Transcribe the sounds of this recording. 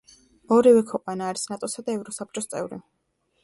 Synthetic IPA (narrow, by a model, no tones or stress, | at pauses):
ɔɾivɛkʰwɛqʼwanaːɾisnat̪ʼɔsad̪aɛvɾɔsap̚t͡ʃʼɔst̪sʼɛ̰vɾḭ